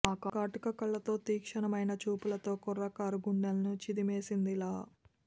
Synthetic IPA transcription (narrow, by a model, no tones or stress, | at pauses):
aːkakaːʈukɐkɐɭːɐt̪o̞ːt̪iːkʂɐnɐmɐjnɐt͡ʃuːpulɐt̪o̞ːkɔɾɐkaːɾuɡuɳːelɐnut͡ʃid̪imeːsind̪ilaː